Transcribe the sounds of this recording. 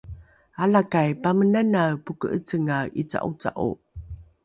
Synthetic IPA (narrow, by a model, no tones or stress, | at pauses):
alakajpamənanapukə̰ʔət͡səŋaʔit͡sa̰ʔut͡sa̰ʔṵ